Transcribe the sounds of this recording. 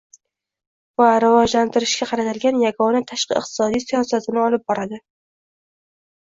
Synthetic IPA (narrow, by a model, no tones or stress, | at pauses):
vaɾɪvɒd͡ʒlant̪ɪɾɪʃkʲaqʰɑɾat̪ʰɪlɡʲanjaɡɒnat̪ʰaʃqɨ̰ɨ̰q̚t̪ʰɪ̥sɒd̪ijsijɒsat̪ʰɪnɪɒlɪp̚bɒɾad̪ɪ